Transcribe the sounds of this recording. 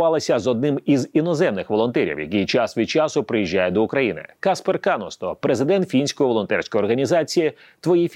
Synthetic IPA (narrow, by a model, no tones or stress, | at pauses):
ɑlˠɐsʲɐzɔd̪̚nɪmizinɔzɛmnɪxʋɔlˠɔnt̪ɛɾʲḭwjɐ̰kijt͡ʃasʋʲid̪̚t͡ʃɑsʊpɾɪjiʒʲːajɛd̪ɔʊkɾɐjinɪ̰kasperkanɔst̪ɔpɾezɪd̪ɛnt̪fʲinʲsʲkɔjʋɔlˠɔnt̪ɛrʲsʲkɔjɔrɦɐnʲizɑt͡sʲiji | t̪ʋɔjifʲ